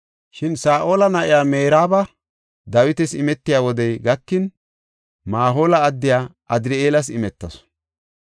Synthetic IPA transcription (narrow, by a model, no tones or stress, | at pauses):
ʃɪnsaːʔo̞ːlɐnɐʔɪjaːmeːɾaːbɐ | d̪ɐwɪt̪ɛsɪmɛt̪ːɪjaːwɔd̪ɛjɡɐkːɪn | maːɦo̞ːlɐːd̪ːɪjaːʔɐd̪ɪɾɪeːlɐsɪmɛt̪ːɐs